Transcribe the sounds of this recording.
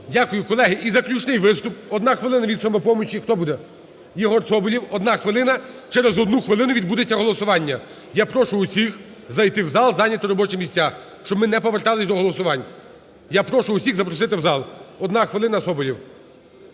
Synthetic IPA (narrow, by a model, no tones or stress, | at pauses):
dʲakʊjʊkɔlˠɛɦɪʔizɐklʲut͡ʃnɪjʋɪst̪ʊp̚ɔd̪nɑxʋɪlˠɪnɐʋʲid̪sɔmɔpɔmɔt͡ʃʲixt̪ɔbud̪ɛ | jɔɦɔrsɔbɔlʲiwɔd̪nɑxʋɪlˠɪnɐ | t͡ʃɛɾezɔd̪nuxʋɪlˠɪnʊʋʲid̪bud̪et͡sʲːɐɦɔlˠɔsʊʋɑnʲːɐ | japɾɔʃʊːsʲix | zɐjt̪ɪwzɑlˠzɑnʲːɐt̪ɔɾɔbɔt͡ʃɛmʲisʲt͡sʲa | ʃt͡ʃɔbmɪnɛpɔʋert̪ɑlˠɪsʲd̪ɔɦɔlˠɔsʊʋɑnʲ | japɾɔʃʊʊsʲiɣzɐpɾɔsɪt̪ɪwzɑlˠɔd̪nɑxʋɪlˠɪnɐsɔbɔlʲiw